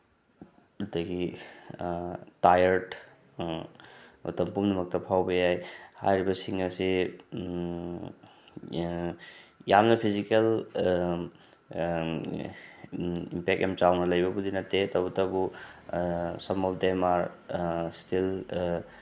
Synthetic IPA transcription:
dɐɡi | tajɐɾt | mɐ̰tɐmpumdɐmɐk̚tɐpʰawbɐjajha̰jɾibɐsiŋɐsi | jamnɐpʰizikel | ḭmpek̚ʔḛmt͡ʃawnɐlɐjbɐbudinɐtːetɐwbɐtɐbu | sɐmɔpdemaɾstil

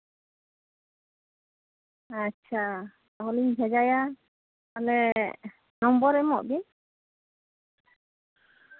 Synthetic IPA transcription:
atːt͡ʃʰa | aɦɔliɲbʱɛd͡ʒaja | alɛ | nɔmbɔɾɛmɔʔbi

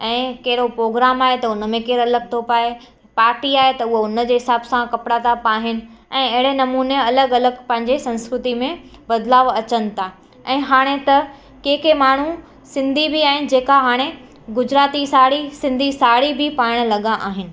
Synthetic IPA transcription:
ɛ̃ːkɐɪɾopɾoːɡɾaːmaːɦet̪ɐʊnə̆mẽkeːɾɐləɡ̚t̪ʰopaːe | paːɾʈiaːɦet̪ɐʊɦoʊnəd͡ʑeːɦɪsaːbsãkɐpɽat̪ʰapaːɦɪnɪ̆ɛ̃ːɐɦɪɽenɐmuːneɐləɡɐləɡpɐ̃ɦɪ̃ɲd͡ʑesɐ̃nskɾʊt̪imẽ | bɐd̪laːʋɐt͡ɕənɪ̆t̪ʰaː | ɛ̃ːɦaːɽ̃et̪ɐ | keːkʰemaːɳ̤u | sɪ̃nd̪ʱibiaːɦɪnɪ̆d͡ʑeːkaɦaːɽ̃e | ɡʊd͡ʑɾaːt̪isaːɽisɪ̃nd̪ʱisaːɽibʱɪpaːɽ̃lɐɠãʔaːɦɪnɪ̆

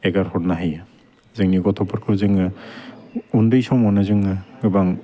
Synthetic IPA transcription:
eɡaɾhɔɾnaɦɯj | zɯŋniɡɔtʰɔpʰɔɾkʰɯɾzɯŋɯ | undɯjsɔŋmɔnazɯŋɯɡɯbaŋ

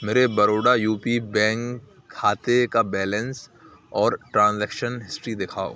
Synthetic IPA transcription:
meːɾebɐɾoːɽajuːpibɛ̃ːŋkʰː | aːt̪ekabɛːlə̃ns | ɔːɾʈɾãːnzɛːkʃənɦɪsʈɾid̪ɪkʰaːo̰ː

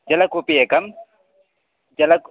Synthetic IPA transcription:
d͡ʒɐlɐkupiekɐm | d͡ʒɐlɐk

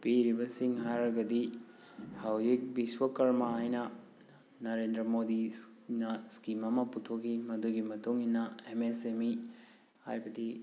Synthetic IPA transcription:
piɾibɐsiŋɦaɾɐɡɐdi | hɐwjik̚biswɐkɐɾmɐɦajnɐ | nɐɾendɾɐmodi | nɐskimɐmɐputʰokʰimɐduɡimɐtuŋinːɐemesemi | ha̰jbɐdi

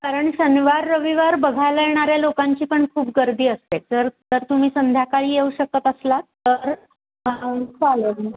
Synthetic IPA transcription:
kaɾəɳɕəniʋaɾːəʋiʋaɾbəɡʱajləjeɽ̃aɾjalokaɲt͡ɕiːpəɳkʰuːp̚ɡəɾd̪ʱiːəst̪et̪̚d͡zəɾd͡zəɾt̪um̤iːsənd̪ʱjakaɭiːjeuɕək̚ət̪əslat̪əɾ | t͡salə

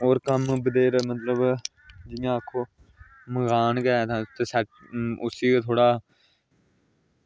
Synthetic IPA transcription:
oːɾkəmbəd̪eːɾmət̪ləb | d͡ʒɪjãːəkʰːoː | məɡaːnkɛːt̪ʰãːt̪eːsəʈʊsiːkt̪ʰoːɽaː

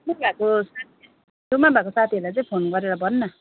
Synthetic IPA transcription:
mabʱakosat̪ʰi | d̪omabʱakosat̪ʰiɦolat͡sãĩpʰonɡʌɾeɾʌbʱʌnːʌ

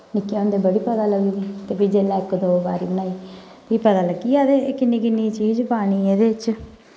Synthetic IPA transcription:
nɪkːiõːnd̪eːbəɽiːpəd̪aːləɡiːɡiːt̪eːpiːd͡ʒeːlɛ̃ːɪkːd̪oːbaːɾḭːbəñaːiː | piːpət̪aːləɡiːaːd̪eːkɪnːĩːkɪnːiːt͡ʃiːd͡ʒpaːɽ̃iːeːd̪eːɪt͡ʃ

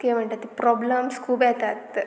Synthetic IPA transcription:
kem̤əɳʈ̪at̪ːipɾɔbləmskʰuːpjɛt̪at̪

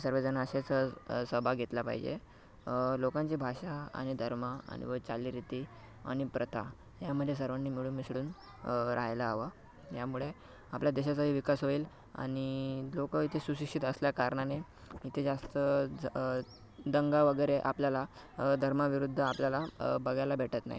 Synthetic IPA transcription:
səɾʋəd͡zənaəɕet͡səsəbʱaɡʱet̪lapa̰ɦḭd͡ʑḛ | lokãɲt͡ɕibʱaɕaa̰ɽ̃id̪ʱəɾməa̰ñḭʋət͡saliɾit̪i | a̰ɽ̃ipɾət̪ʰa̰ | jaməd̪ʱjes̬əɾʋənːimiɭuːnmisɽuːn | ɾʔa̰ɦjlaːʋa | jamuɭe | apljad̪eɕasaɦiːʋikasɦoiːl | a̰ɽ̃ilokəit̪ʰesuɕikʂit̪əsljakaɾɳane | it̪ʰed͡zast̪ə | d̪əŋɡaʋəɡəɾeʔapljala | d̪ʱəɾmaʋiɾud̪ʱːəapljalabəɡʱjalabʱeʈət̪na̰ɦḭ

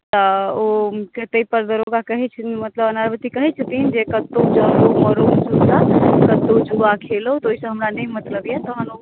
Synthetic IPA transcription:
t̪əoket̪əipəɾd̪əɾoɡakəɦɛt͡ʃʰmət̪ləbənaɾbət̪ikəɦɛt͡ʃʰut̪iɦind͡ʒekət̪ːod͡ʒəɾoməɾomd͡ʒud̪akət̪ːod͡ʒuakʰeləɦut̪oːɦisə̃ɦəmɾanəimət̪ləbjɛt̪ɔɦəno

